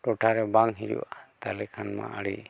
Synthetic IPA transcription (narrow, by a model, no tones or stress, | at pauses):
ʈɔʈʰaɾɛbaŋɦiɾṵwat̪alɛkʰanma̰ʔaɽḭ